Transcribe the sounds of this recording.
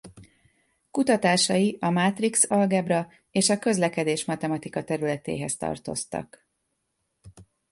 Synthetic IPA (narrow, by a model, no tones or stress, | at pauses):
kut̪ɒt̪aːʃɒjiɒmaːt̪riksɒlɡɛbrɒ | eːʃɒkø̞zlɛkɛd̪eːʃmɒt̪ɛmɒt̪ikɒt̪ɛɾylɛt̪ḛːɦɛst̪ɒ̰rt̪o̞̰st̪ɒ̰k